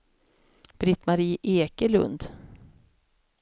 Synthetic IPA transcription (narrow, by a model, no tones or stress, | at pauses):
b̥ɾɪt̪maɾiːʔeːkəlɵ̰nd̪